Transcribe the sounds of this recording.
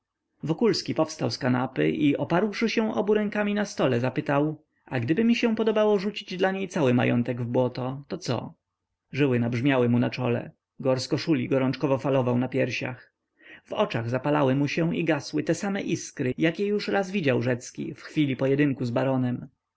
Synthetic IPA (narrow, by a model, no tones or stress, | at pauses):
vɔkulskʲipɔfst̪awskanapɘ̰ʔiɔpaɾwʂɘɕɛ̃ʔɔbuɾɛ̃ŋkamʲinast̪ɔlɛzapɘt̪aw | aɡd̪ɘbɘmʲiɕɛ̃pɔd̪ɔbawɔʐut͡ɕid͡ʑd̪laɲejt̪sawɘma̰jɔ̰nt̪ɛɡvbwɔt̪ɔt̪ɔt̪sɔ̰ | ʐɘwɘnabʐmʲjawɘmunat͡ʂɔ̰lɛ̰ | ɡɔɾskɔʂulʲiɡɔɾɔnt͡ʂkɔvɔfalɔvawnapʲjɛɾɕa̰x | vɔt͡ʂaɣzapalawɘmuɕɛ̃iɡaswɘt̪ɛsamɛʔiskɾɘjakʲɛjuʂɾazvʲid͡ʑawʐɛt̪skʲḭfxfʲilʲipɔjɛd̪ɘŋkuzbaɾɔnɛm